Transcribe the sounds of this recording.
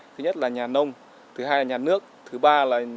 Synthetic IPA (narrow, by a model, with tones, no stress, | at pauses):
t̪ʰɨ˨˦ɲə˦˥t̚laː˨˩ɲaː˨˩nə˧wŋ͡m | t̪ʰɨ˨˦ɦaː˧jlaː˨˩ɲaː˨˩nɨ˦˥ək̚t̪ʰɨ˨˦ɓaː˧laː˨˩